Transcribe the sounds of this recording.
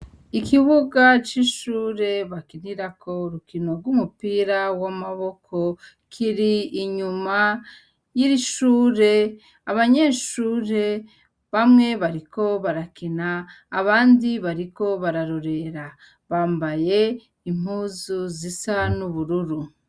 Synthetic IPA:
ikiβuɡat͡ʃiʃuːɾe̞βakiniɾakʰo̞ɾukino̞ɾɡumupiːɾawamaβo̞kʰo̞ | kʰiɾiiɲuma | jiɾiʃuːɾe̞ | aβaɲe̞ːʃuːɾe̞ | βamŋe̞βaɾiko̞βaɾakinaː | βaːndiβaɾiko̞βaɾaɾoɾe̞ɾa | βaːmbaje̞ | im̥uːzuzisanuβuɾuɾu

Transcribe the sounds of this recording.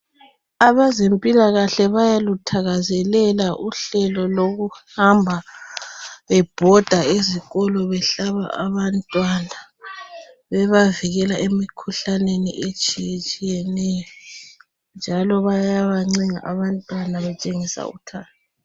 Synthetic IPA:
aβazempʼilaɣaɬɛβajalutʰaɣazɛlɛlaʔuɬɛlɔloɣuhambʱa | βɛb̥ʱɔd̥ʱaeziɣɔlɔβɛɬaβa̰ʔaβantʼwana | βɛβaviɣɛlaʔemikʰuɬanenḭʔet͡ʃʼijt͡ʃʼijɛnɛjɔ | nd͡ʒʱalɔβajaβaŋ͡ǀiŋa̰ʔaβantʼwanaβɛt͡ʃʼeŋisa̰ṵtʰaːta

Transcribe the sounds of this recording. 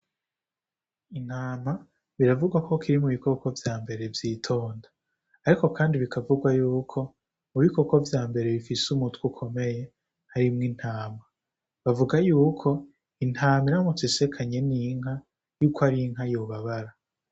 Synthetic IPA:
in̥haːma | βiɾavuɡwako̞kʰiɾimuβiko̞ko̞vjaːmbe̞ɾe̞vjiːtʰo̞ːndaː | ɾiko̞kaːndiβikʰavuɡwajuːkʰo̞ | muβiko̞ko̞vjaːmbe̞ɾe̞βifisumutkukʰo̞me̞je̞ | haɾimŋin̥haːma | βavuɡajuːkʰo̞ | in̥haːmiɾamut͡sise̞kʰaɲe̞niŋ̥a | juːkoaɾiŋɦajoβaβaɾa

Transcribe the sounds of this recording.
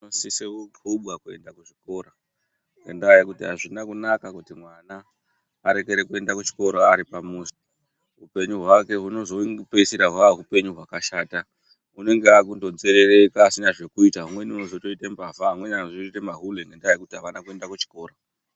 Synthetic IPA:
nosiseokuɓwakue̞̰ndakuʐiko̞ːro | ŋɡendajikutiɦaʐinakunakakutimwanaː | ɾe̞ke̞ɾe̞kue̞ndakut͡ʃi̥ko̞ɾoaɾipamuzi̥ | ɦupe̞ɲuɦwake̞ɦuno̞zo̞ŋɡipesiɾaɦwaɦupe̞ɲuɦwakaʃaːta | une̞ŋɡeakundo̞d͡zeɾe̞re̞kaːsinaʐe̞kuitaɦumwe̞niuno̞zo̞to̞itembafaamwe̞naʐiitemaɦuleŋɡendaajikutiɦaʋanakue̞ndakut͡ʃi̥ko̞ːro

